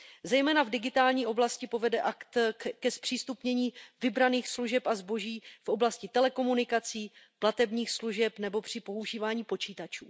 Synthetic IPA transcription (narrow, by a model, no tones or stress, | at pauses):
zɛjmɛːnavdɪɡɪt̪aːlɲiːʔo̞blascɪpo̞vɛdɛʔakt̪kɛspr̝̥iːst̪upɲɛɲiːvɪbɾaniːxsluʒɛpʔazbo̞ʒiːfʔo̞blascɪt̪ɛlɛko̞munɪkat͡siːplat̪ɛbɲiːxsluʒɛpnɛbo̞pr̥ɪpo̞uʒiːvaːɲiːpo̞t͡ʃiːt̪at͡ʃuː